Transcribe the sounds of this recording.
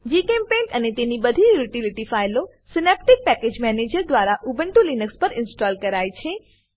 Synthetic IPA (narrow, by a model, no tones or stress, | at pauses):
d͡ʒikɛmpẽnʈənet̪enibəd̪ʱijuʈilɪʈifajlo | sɪnep̚ʈɪk̚pɛked͡ʒmɛned͡ʒəɾd̪ʋaɾaʔubəɳʈ̪ulinəkspəɾɪnsʈɔlkəɾajt͡ʃʰe